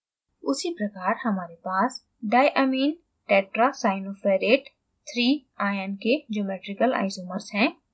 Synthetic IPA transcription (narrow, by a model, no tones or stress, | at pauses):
ʊsipɾɐkaːɾhɐmaːɾepaːs | ɖaːjʔəmiːn | ʈɛːʈɾasaːɪnoːfeːɾeːʈ | t̪ʰɾiːaːjənked͡ʒoːmeːʈɾɪkəla̰ːɪzoːməɾsɦɛ̃ː